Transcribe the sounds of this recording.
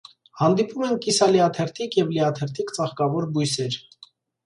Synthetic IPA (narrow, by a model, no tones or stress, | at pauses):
hɑnd̪ipumɛnkisɑliɑt̪ʰɛɾt̪ʰikjɛvliɑt̪ʰɛɾt̪ʰikt͡sɑχkɑvɔɾbujsɛɾ